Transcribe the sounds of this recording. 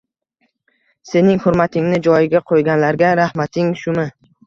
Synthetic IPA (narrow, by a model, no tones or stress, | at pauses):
se̞nɪŋhʊɾmat̪ʰɪŋnɪd͡ʒɒjɪɡʲaqʰojɡʲanlaɾɡʲaɾahmat̪ʰɪŋʃʊmɪ